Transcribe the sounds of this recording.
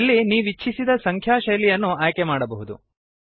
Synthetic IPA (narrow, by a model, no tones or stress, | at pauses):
lːiniːʋit͡ʃːʰisid̪ɐsɐŋkʰjaːʃɐjlijɐnːuaːjkɛmaːɽɐbɐɦud̪ṵ